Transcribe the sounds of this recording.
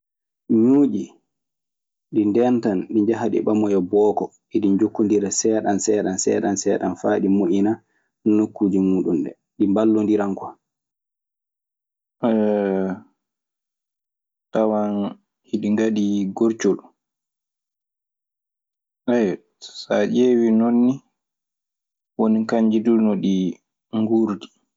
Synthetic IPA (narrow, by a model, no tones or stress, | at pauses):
ɲuːd͡ʒi | ɗindɛntanɗiɲd͡ʒaɦaɗḭɓamɔjɔbɔːkɔ | iɗiɲd͡ʒokːundiɾasɛɗansɛːɗansɛːɗansɛːɗanfaːɗimoʔina | nokːuːd͡ʒimuːɗunɗɛ̰ | ɗimbalːondiɾaŋkɔ̥ | tawan | hiɗiŋɡaɗiɡoɾt͡ʃol | ʔɛj | sad͡ʒeːwinonːi | wonikaɲd͡ʒiduɾnɔɗi | ŋɡuːɾdi̥